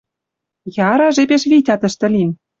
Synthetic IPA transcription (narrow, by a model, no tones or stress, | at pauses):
jɑɾɑʒepeʃβitʲɑt̪ə̆ʃt̪ɘ̆lʲim